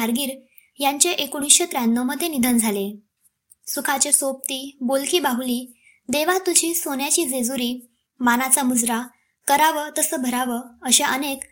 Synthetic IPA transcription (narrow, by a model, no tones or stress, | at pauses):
aɾɡiːɾ | jaɲt͡ɕeʔekuɽ̃iɕet̪ɾanːəməd̪ʱːjenid̪ʱənd͡zʱale | sukʰat͡ɕesop̚t̪iːbolkiːbaɦuliː | d̪eʋat̪ud͡ʑiːsonjat͡ɕiːd͡zed͡zuɾiː | manat͡samud͡zɾa | kəɾaʋət̪əsəːbʱəɾaʋəəɕeʔənek